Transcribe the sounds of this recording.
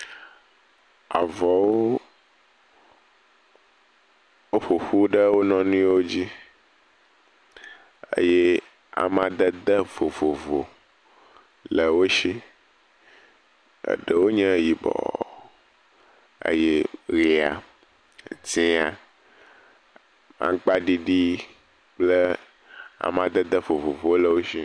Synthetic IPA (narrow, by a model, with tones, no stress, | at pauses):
a̰˨vɔ˨wo˦ | wo˦ɸo˨ɸu˦ɖə˦wo˦nɔ̃˦nũ˦wo˦d͡ʑi˦ | ḛ˦je˦ | a̰˨mã˨d̪ə˦d̪ə˦vo˨vo˨vo̰˨ | lə˨wo˦ʃi˦ | ə̰˨ɖə˨wo˦ɲə̃˦ji˨bɔ̰˨ | ə̰˦je˦ɾi˨a̰˨ | tĩ˦a˨ | mã̰˦k͡pa˦ɖi˨ɖi˦ | k͡plə˦ | a̰˨mã˨d̪ə˦d̪ə˦vo˨vo˨vo˨˦lə˨wo˦ʃi˦